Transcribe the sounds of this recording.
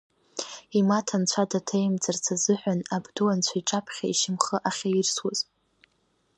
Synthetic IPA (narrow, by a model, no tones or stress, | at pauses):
imatʰant͡ɕʷʰadatʰejmt͡sʼart͡sʰazɨħʷᶣanabdɨwant͡ɕʷʰaiʈ͡ʂʼapʰχʲa̰ḭʃɪmχəʔaχʲairswaz